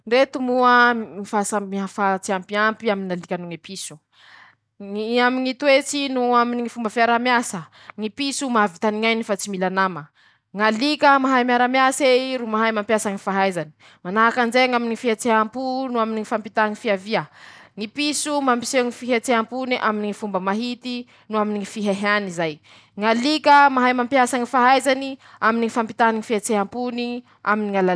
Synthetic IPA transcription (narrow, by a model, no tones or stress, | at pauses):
ɳɖ͡ʐet̪umuəmifasamiafat͡siampiampiaminŋalikʲənuŋipisu̥ | amiŋit̪wet͡sinuaminiŋifumbəfiaɾamjasə | ŋipisumavit̪aniŋajnifat͡similanamə | ŋalikəmaɦajmiaɾamjaseɾumaɦajmampjasaŋifaɦajzani̥ | manaɦakand͡ʒeŋaminiifiat͡seɦampunuaminiŋifampit̪aŋifiaviəŋipisumampi̥seŋifiɦat͡seɦampuniʔaminiŋifumbəmaɦit̪i | nuaminiŋifiɦaɦanizaj | ŋalikəmaɦajmampjasaŋifaɦajzaniaminiifampit̪aniŋifiat͡seɦampuni | aminiŋala